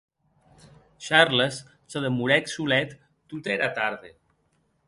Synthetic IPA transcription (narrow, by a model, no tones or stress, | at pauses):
ʃaɾles | səðəmuɾɛksulɛt̪ː | ut̪eɾat̪aɾðe